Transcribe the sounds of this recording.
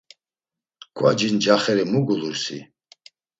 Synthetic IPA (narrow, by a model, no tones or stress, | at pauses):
ɡ̥ʰʼwa̰d͡ʒind͡ʒaχɛɾimuɡuluɾsḭ